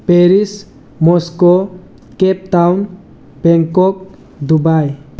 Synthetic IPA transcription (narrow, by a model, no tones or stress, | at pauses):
peɾis | mɔsko | kep̚ʈawn | beŋkok̚ | d̪ubaj